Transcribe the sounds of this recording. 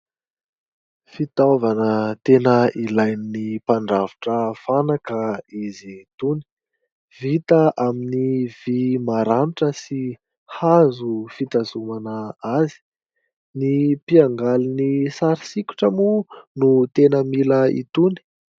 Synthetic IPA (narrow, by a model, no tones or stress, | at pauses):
fit̪avanət̪enəilajninipaɳɖ͡ʐavuʈ͡ʂəfanakaizit̪uni̥ | vit̪əʔaminiv̥imaɾaniʈ͡ʂəsi | hazufit̪azumanəazi̥ | nipiaŋɡalinisaɾisikʲu̥ʈ͡ʂəmunut̪enəmiləḭt̪uni̥